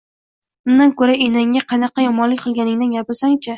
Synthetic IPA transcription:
mʊnd̪ankɵɾaenaŋːaqʰɑnɑqɑjɒmɒnlɪkʲqʰɨlˠɡʲanɪŋd̪anɡʲapɪɾsaŋt͡ʃʰa

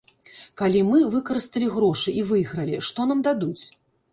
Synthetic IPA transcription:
kalʲimɨvɨkɐɾɨst̪ɐlʲiɣɾɔʂɨivɨjɣɾɐlʲiʂt̪ɔnamd̪ad̪ut͡sʲ

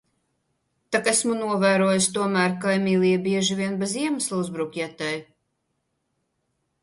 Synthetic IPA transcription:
t̪akæsmunuɔvæːɾuɔjust̪uɔmæːɾkajmʲiːlˠiɛbʲiɛʒivʲiɛnbeziɛmɨslˠuzbɾukʲɛt̪ɛj

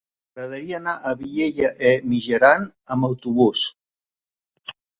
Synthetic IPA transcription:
ɣɾəðəɾiaːnaʔəβiʎeʎəʔemiʒəɾanəməwt̪uβus

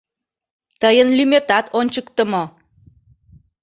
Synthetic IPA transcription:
t̪əjənlymøt̪ɑt̪ʰonʲt͡ɕəkt̪ə̆mo

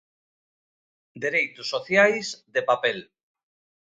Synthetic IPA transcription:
d̪eɾejt̪usːoθjajzdepapel

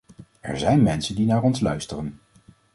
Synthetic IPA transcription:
ɛ̰ɹzɛjnmɛnsəndinaːrɔnslœɥstərən

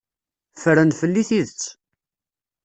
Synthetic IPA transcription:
fəɾənfəlːiθiðət͡sː

